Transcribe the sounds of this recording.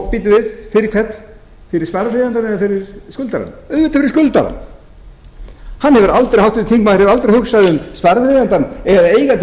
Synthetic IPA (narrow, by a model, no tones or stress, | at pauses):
piːt̪ʏvɪðfɪɾɪɾkʰɛt̪n | fɪɾɪɾ̥spaɾafɾeðant̪anɛðafɪɾɪɾ̥skʏlt̪aɾa̰nœðvɪt̪afɪɾɪ̥ɾskʏlt̪a̰ɾa̰n | hanːhɛvʏɾalt̪ɾeɾhawt̪vɪt̪ʰiŋkmaɾɪvɾalt̪ɾeɾhʏxsajðɪʏmspaɾafɾejðant̪anɛðaeːjɣat̪